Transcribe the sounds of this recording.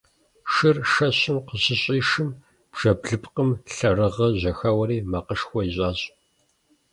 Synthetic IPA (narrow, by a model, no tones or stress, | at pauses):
ʃɨrʃɐɕɪmqəɕɪɕʼiːʂɨm | b̥ʒ̥ɐbɮɨpʰʼqəmɬɐrɨʁɐʑɐxɐwɐɾiːmɐqəʂxʷɔjiɕʼaːɕʼ